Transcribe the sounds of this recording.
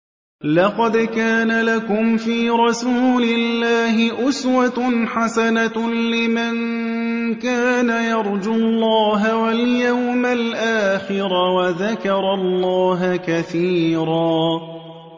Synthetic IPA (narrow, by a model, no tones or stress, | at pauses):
lɑqɑd̪kaːnalakʊmfiːɾˤɑsuːlɪlːaːɦɪʔʊswaħasanalɪman | kaːnajɑɾˤd͡ʒʊlˤːɑːɦawaljawmalʔaːxɪɾawaðakɑɾˤɑlˤːɑːɦkaθiːɾɑː